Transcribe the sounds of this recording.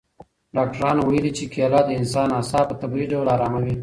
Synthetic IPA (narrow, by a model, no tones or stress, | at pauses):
ɖɑk̚ʈaɾɑnowajəlit͡ʃekalɑd̪əɪnsɑːnɑsɑpət̪abiɖawlɑːɾɑmawi